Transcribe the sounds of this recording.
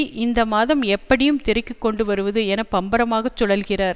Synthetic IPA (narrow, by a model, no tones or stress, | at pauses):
ʔɪnd̪ɐmaːðɐmɛpːɐɽɪjɯmt̪ɪɾɐɪkːɯkːɔɳɖɯʋɐɾɯʋɐðɯɛnɐpːɐmbɐɾɐmaːɣɐt͡ʃːɔɽɐlɣɪraːɾ